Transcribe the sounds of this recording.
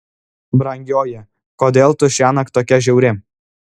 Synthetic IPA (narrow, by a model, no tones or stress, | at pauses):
bɾɐŋʲɡʲoːjɛ | koːd̪ʲeːlˠt̪ʊʃʲæːnɐkt̪oːkʲɛʒʲɛʊɾʲɪ